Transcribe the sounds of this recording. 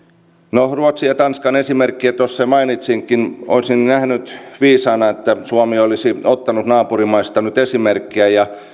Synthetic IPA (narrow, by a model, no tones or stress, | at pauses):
noruot̪siɑt̪ɑnskɑnesimerkːiæt̪osːemɑinit̪siŋkino̰isinnæhnyt̪ʋiːsɑːnɑet̪ːæsuomiolisiot̪ːɑnut̪nɑːpurimɑist̪ɑnyt̪esimerkːiæjɑ